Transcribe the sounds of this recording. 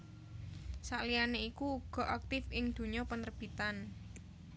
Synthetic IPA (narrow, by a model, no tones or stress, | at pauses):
saʔlianeikuːɡ̥ɔ̤ʔak̚t̪ɪfɪŋd̪̥ṳɲɔpənərb̥i̤t̪an